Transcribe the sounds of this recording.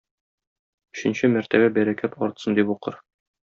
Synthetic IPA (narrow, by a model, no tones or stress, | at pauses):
ɵ̆ɕɘ̆nɕɘmæɾt̪æbæbæɾækæt̪ɒɾt̪sɤnd̪ipuqɤɾ